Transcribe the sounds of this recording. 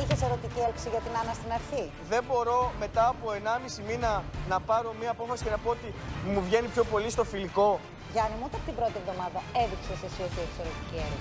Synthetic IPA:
içeseɾot̪icielpsiʝɐt̪inɐnɐst̪inɐɾçi | ðe̞mbo̞ɾo̞me̞t̪ɐːpoe̞nɐmisiminɐnɐpɐɾo̞miɐːpo̞fɐsice̞nɐpo̞ot̪imuvʝe̞nipço̞po̞list̪o̞filiko̞ | ʝɐnimuot̪ɐpot̪imbɾo̞t̪ie̞vðomɐðɐe̞ðikseosesioçio̥soɾot̪icielpi

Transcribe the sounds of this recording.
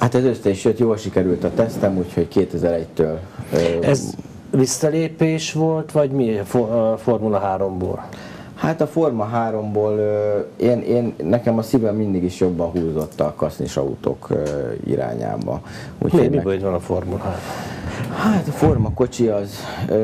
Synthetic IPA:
hat̪ɛzøsːɛiʃjøt̪joːlʃikɛɾylt̪ɒt̪ɛst̪ɛmucho̞ckeːt̪ɛzɛɾɛɟt̪øːlːɛz | visːɒleːpeːʃʋo̞lt̪ʋɒɟmifoformulɒɦaːɾo̞mbo̰ːl | hat̪ɒfo̞rmɒɦaːɾo̞mboːløeːneːnːɛkɛmɒsivɛmːind̪iɡiʃjo̞bːɒnɦuːzo̞t̪ːɒkɒsnḭʃɒ̰ṵt̪o̰ːkøḭɾa̰ːɲa̰ːbɒ̰ | ṵːcmo̰mibøid̪vɒnɒformulɦaːɾhaːt̪ɒfo̞rmɒko̞t͡ʃiɒz

